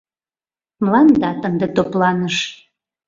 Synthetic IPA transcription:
mlɑnd̪ɑt̪ənd̪et̪oplɑnəʃ

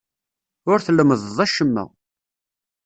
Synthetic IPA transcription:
ʊɾθlːəməðˤðˤæʃəmːæ̰

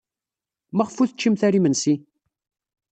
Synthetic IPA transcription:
mæʁəfuθət͡ʃːimθæɾimənsi

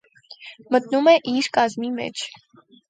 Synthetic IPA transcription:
mət̪numɛʔiɾkɑzmimɛ̰t͡ʃʰ

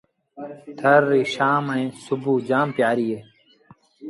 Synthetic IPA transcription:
t̪ʰɐɾːiːɕaːmɐ̃ẽsubuːd͡ʑaːmpjaːɾiːe

